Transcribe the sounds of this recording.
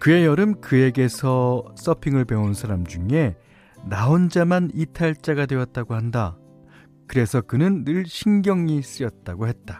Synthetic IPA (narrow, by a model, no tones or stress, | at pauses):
kɯe̞jʌɾɯmkɯe̞ɡe̞sʰʌs͈ʌpʰiŋɯɭpe̞onsʰaɾamd͡ʑuŋe̞ | naond͡ʑamanitʰaiɭt͡ɕ͈aɡadwe̞jʌt̚t͈aɡohanda | kɯɾe̞sʰʌkɯnɯnːɯɭɕʰinɡjʌŋis͈ɯjʌt̚t͈aɡohe̞t̚t͈a